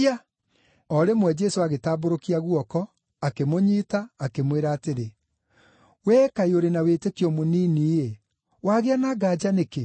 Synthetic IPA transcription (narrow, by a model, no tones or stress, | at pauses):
a | ɔɾemwɛd͡ʒɛsoaɣetaːboɾokiaɣwɔkɔ | akemoɲiːtaːkemweɾaːteɾe | wɛːkaioɾenaweːtekiɔmoniːniːje | waɣeanaɡad͡ʒaneke